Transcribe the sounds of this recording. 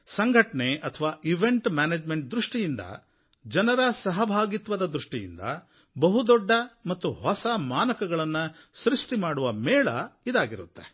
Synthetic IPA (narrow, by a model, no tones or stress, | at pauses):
sɐŋɡʱɐʈɐneɐt̪ʰɐʋaːʔiʋeɳʈmaːneːd͡ʒme̞ɳʈ̚d̪ɾuʂʈijind̪ɐ̰ | d͡ʒɐnɐɾɐsɐɦɐbʱaːɡit̪ʋɐd̪ɐd̪ɾuʂʈijḭnd̪ɐ̰ | bɐɦud̪ɔɖːɐmɐt̪ːuɦɔsɐmaːnɐkɐɡɐɭɐnːɐ | sɾiʂʈimaːɽuʋɐmɛːɭɐ̰id̪aːɡiɾut̪ːe